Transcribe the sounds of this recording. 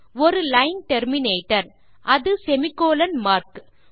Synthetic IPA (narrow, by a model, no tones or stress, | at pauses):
ɔɾɯlɐɪnʈɛɾmɪneːʈːɐɾ | ʔɐðɯsɛmɪkːoːlɐnmaːɾk